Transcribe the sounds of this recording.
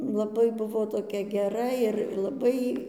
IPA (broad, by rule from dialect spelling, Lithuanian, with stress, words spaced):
lˠɐˈbɐɪ ˈbʊʋoː toːˈkʲɛ ɡʲɛˈrɐ ɪr lˠɐˈbɐɪ